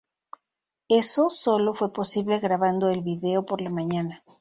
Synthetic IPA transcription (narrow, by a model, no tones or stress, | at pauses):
e̞so̞so̞lo̞fwe̞po̞siβle̞ɣɾaβand̪o̞elβiðe̞o̞po̞ɾlamãɲãna